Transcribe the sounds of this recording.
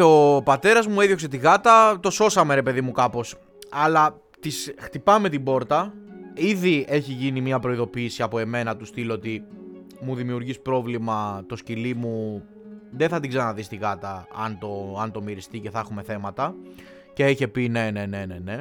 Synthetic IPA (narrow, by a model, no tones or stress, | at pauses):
opɐt̪e̞ɾɐzmueðjo̞kset̪̬iɣɐt̪ɐt̪o̞so̞sɐme̞ɾepe̞ðimukɐpo̞s | ɐlɐ | t̪isxt̪ipɐme̞t̪ibo̞ɾt̪ɐiðie̞çiʝinimiɐpɾo̞iðo̞piːsiɐpo̞e̞me̞nɐt̪ust̪ilot̪i | muðimiuɾʝispɾo̞vlimɐt̪o̞scilimu | ðenθɐt̪iɡzɐnɐðist̪iɣɐt̪ɐɐnt̪o̞ɐnt̪o̞miɾist̪ice̞θɐxume̞θe̞mɐt̪ɐ | ce̞içe̞pine̞ne̞ne̞ne̞ne̞